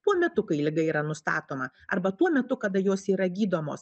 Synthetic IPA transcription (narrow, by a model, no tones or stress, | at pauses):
t̪uɔmʲɛt̪ʊkɐɪlʲɪɡɐiːɾɐnʊst̪ɑːt̪oːmɐ | ɐɾbɐt̪uɔmʲɛt̪ʊkɐd̪ɐjoːsiːɾɐɡʲiːd̪oːmo̰ːs